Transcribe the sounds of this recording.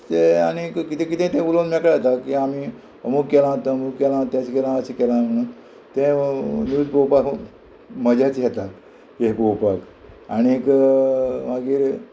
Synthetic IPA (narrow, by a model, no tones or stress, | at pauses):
t̪ea̰ñikkit̪ẽkit̪ẽt̪ẽbulonmekɭat̪akiami | əmukːɛlãt̪əmukkɛlãt̪jat͡ɕikɛlãəsikɛlãm̤əɽ̃ũːn | t̪ẽnjud͡zpowpak | məd͡ʑʱat͡sjɛt̪at̪ | jeɦpowpak | a̰ñiek | ʋaɡiːɾ